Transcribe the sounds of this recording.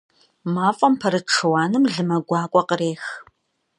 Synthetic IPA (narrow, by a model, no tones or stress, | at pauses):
maːfʼɐmpʰɐɾɨʈ͡ʂʰɨwɑːnɨmɮɨmɐɡʷɑːkʷʼɔqəɾeːx